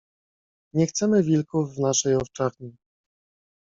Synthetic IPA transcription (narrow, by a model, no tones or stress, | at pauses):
ɲɛxt̪sɛmɘvʲilkuvːnaʂɛjɔft͡ʂaɾɲi